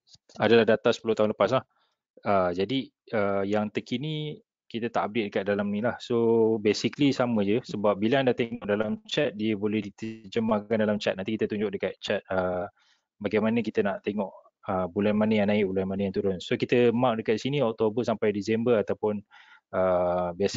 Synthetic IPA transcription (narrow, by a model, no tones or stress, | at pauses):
adalahdat̪asə̥pulʊht̪aɦunləpas̬lah | əd͡ʒadi | əjaŋt̪əkinĩ | kit̪ət̪aʔab̚det̪ʔ̚dəkat̪̚dalamnilahsobesiklisamə̃d͡ʒəsəbap̚biləandaht̪eŋɔʔdalamt͡ʃat̪̚diəbolɛhdit̪əd͡ʒəmakandalamt͡ʃɛt̪̚nant̪ikit̪ət̪uɲd͡ʒʊk̚dəkat̪̚t͡ʃat̪̚ə | baɡajmanəkit̪ənaʔt̪eŋɔʔ | əbulanmanəjaŋnaɪʔbulanmanəjaŋt̪uɾʊnsokit̪əmak̚dəkat̪̚isiniɔk̚t̪obəsampajdisɛmbərat̪awpʊnəbias